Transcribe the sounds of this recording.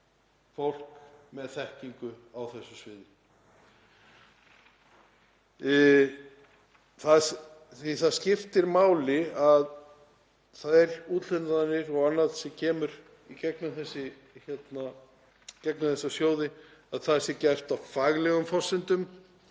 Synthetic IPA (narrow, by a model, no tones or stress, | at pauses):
fowl̥kmɛðθɛhciŋkʏawθɛsːʏsvɪːðɪ | θað | θiθaðscɪft̪ɪɾmaːwlɪað | θaðɛɾuːt̪l̥ʏnaðanːɪɾɔɣanːaðsɪcʰɛːmʏɾ | icɛknamθɛsːɪ | çjɛt̪na | cɛknamθɛsːasjoːwðɪaðθḁsɪcɛr̥t̪awfaːɣlɛɣʏmfɔ̥sːɪnt̪ʏm